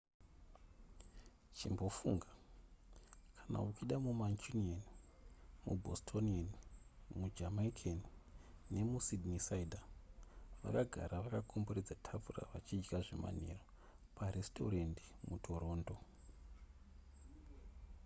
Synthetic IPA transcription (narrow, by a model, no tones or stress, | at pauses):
t͡ʃimbo̞fuŋɡa | kʰḁna̰ukiɗamumant͡ʃunian | mṵbʱostʰonianmud͡ʒamaikʰenine̞musidnisaidʱa | ʋa̰kaɡʱa̰ɾaʋakakʰomboɾed͡zatʰafura̰ʋat͡ʃid͡ʒɡaʐe̞̰ma̰nḛro | pʰaɾesto̞̰ɾendi̥mutʰo̞ɾo̞ːndo̞